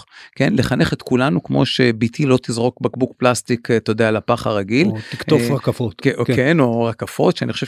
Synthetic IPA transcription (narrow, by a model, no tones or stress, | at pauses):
ke̞nleχane̞χet̪kulanukmo̞̰ʃebit̪ʰilo̞t̪izʁo̞kbakbukplast̪ikt̪ːood̪ealapaχa̰ʁaɡilikofʁakafot̪keno̞ʁakafo̞t̪ʃeaniχoʃe